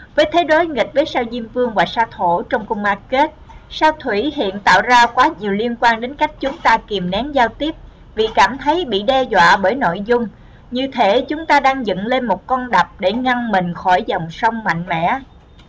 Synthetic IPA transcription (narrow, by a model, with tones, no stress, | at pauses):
vəː˨˦jt̪ʰe˨˦ɗo˨˦jŋi˨˩k̚vəː˨˦jsaː˧wzi˧əmvɨ˧əŋvaː˨˩saː˧t̪ʰo˧˩t͡ɕɔ˧wŋ͡mkə˧wŋ͡mʔaː˧ke˦˥t̚saː˧wt̪ʰwi˧˩hḭ˧˨ənt̪a̰ː˧˨wzaː˧kwaː˨˦ɲi˨˩əwli˧ənkwaː˧nɗe˨˦nka˦˥jk̟̚t͡ɕʊ˨˦ŋ͡mt̪aː˧ki˨˩əmnɛ˨˦ŋzaː˧wt̪i˦˥əp̚ | vi˨˩kaː˧˩mt̪ʰə˨˦jɓḭ˧˨ɗɛ˧zwa̰ː˧˨ɓəː˧˩jno̰˧˨jzʊ˧ŋ͡m | ɲɨ˧t̪ʰe˨˦t͡ɕʊ˨˦ŋ͡mt̪aː˧ɗaː˧ŋzə̰˧˨nle˧nmo˨˩t̚kɔ˧nɗa˨˩p̚ɗe˧˩ŋa˧ŋmï˨˩ŋ̟xɔ˧˩jzɔ˨˩wŋ͡msə˧wŋ͡mma̰˧˨jŋ̟mɛ̰˧˥